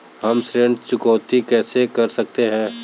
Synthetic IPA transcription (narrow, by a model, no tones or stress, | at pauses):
ɦɐmsɾeɳɖt͡ʃʊkɔːt̪ikɛːsekɐɾsɐk̚t̪eɦɛ̃ː